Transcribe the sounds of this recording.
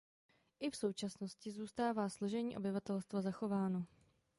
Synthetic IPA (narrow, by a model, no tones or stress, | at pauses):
ʔɪfso̞wt͡ʃasno̞scɪzuːst̪aːvaːsloʒɛɲiːʔo̞̰bɪvat̪ɛlst̪vazaxo̞vaːno̞